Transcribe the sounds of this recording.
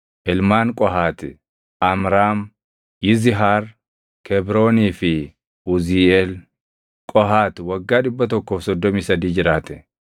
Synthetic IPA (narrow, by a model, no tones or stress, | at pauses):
ʔɪlmaːnkʼɔɦaːt̪ɪ | ʔɐmɾaːm | jɪzɪɦaːɾ | kʰɛbɾo̞ːniːfɪ | ʊziɛl | kʼɔɦaːt̪wɐɡːaːᶑɪbːɐt̪ɔkːo̞ːfsɔd̪ːɔmiːsɐd̪iːd͡ʒɪɾaːt̪ɛ̥